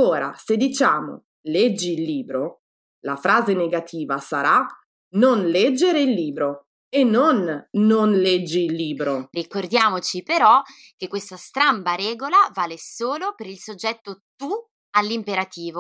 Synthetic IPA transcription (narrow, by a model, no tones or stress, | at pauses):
oːɾa̰sed̪ːit͡ʃaːmo̰ | lɛd͡ʒːiːlːiːbɾo | lafɾaːzeneɡat̪ʰiːvasaɾa | nonlɛd͡ʒːeɾeilːiːbɾo | enːonːonlɛd͡ʒːiːlːiːbɾorikord̪jaːmot͡ʃipeɾɔ | k̟ekːwest̪ast̪ɾambaɾɛːɡolavaːlesoːlopeɾilsod͡ʒːɛt̪ːot̪u | alːimpeɾat̪iːvo